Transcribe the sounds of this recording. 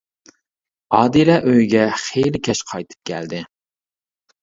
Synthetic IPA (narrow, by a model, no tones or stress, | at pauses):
ɑːd̪ilɛʔøjɡʲɛχejlɪkʲʰɛʃqʰɑjt̪ʰɨ̥p̚kʲʰæ̰ld̪ɪ